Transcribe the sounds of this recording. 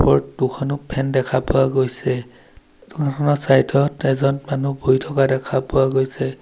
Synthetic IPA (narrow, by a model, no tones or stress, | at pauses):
pɔɹdukʰɔnʊpʰɛndɛkʰapʊwaɡojsɛ | tukʰakʰɔnɔsajtʰɔtɛzɔnmanuboitʰɔkadɛkʰapʊwaɡojsɛ